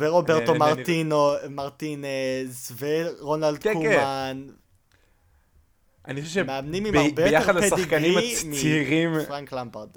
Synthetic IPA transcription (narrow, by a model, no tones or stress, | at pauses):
veʁobeʁomaʁt̪inomaʁt̪inezveʁonald̪kkukeman | ʔaniχoʃevʃemeamnimimaʁbejojaeadlesadiɡaniimiiʁimfʁaŋklambeʁd̪